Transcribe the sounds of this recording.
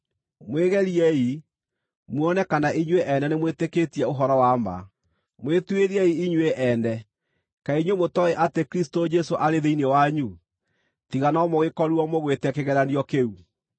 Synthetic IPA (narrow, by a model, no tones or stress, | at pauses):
mweɣɛɾiɛi | mwɔnɛkanaʔiɲweʔɛnɛnemweteketiɛoɦɔɾɔwama̰ | mwetweɾiɛiiɲweʔɛnɛ | kaiɲwomotɔeʔatekɾistod͡ʒɛsoʔaɾeðeinewaɲu | tiɣanɔmoɣekɔɾuɔmoɣwetɛkeɣɛɾaniɔkeu